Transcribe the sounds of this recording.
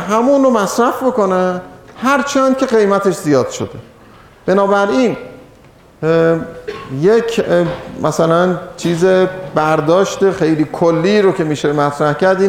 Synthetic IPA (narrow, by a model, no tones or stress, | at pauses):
ɦæmunɾomæsɾæfbo̞konæmhæɾt͡ʃʰænd̪̥̚cʰe̞ɣe̞jmæt̪ʰe̞ʃzijɒːd̪̥ʃod̪e̞ | b̥e̞nɒːbæɾiːn | jecʰmʔæsælænt͡ʃʰiːzebæɾd̪ɒːʃt̪exe̞jliːkʰolːiːɾocʰe̞miːʃemæt̪ʰɾæhcæɾd̪iː